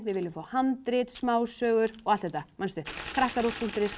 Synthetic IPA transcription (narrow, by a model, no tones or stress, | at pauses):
vɪðvɪlɪmfaːhant̪ɾɪt̪smaːwsœːɣʏɾ̥ɔɣalθɛt̪ːamanst̪ʏkʰɾahkaɾupun̥t̪ɾɪs